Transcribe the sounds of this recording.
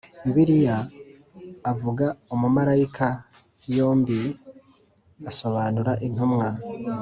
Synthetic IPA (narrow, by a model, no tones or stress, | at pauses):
mbiɾijaː | vuɡaumumaɾaikʰa | jo̞ːmbi | aso̞βaːnuɾaʔin̥humŋa